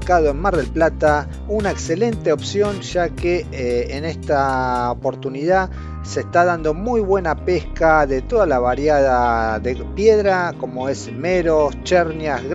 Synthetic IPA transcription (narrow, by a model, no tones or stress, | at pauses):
kaðoenmaɾðelplat̪a | unaekse̞le̞nt̪eo̞psjo̞nʃakeːnest̪aopo̞ɾt̪uniða | seːst̪aðand̪o̞mujβwe̞napeskaðet̪o̞ðalaβ̞aɾjaðaðepjeðɾako̞moe̞s | meɾost͡ʃeɾnjazɣ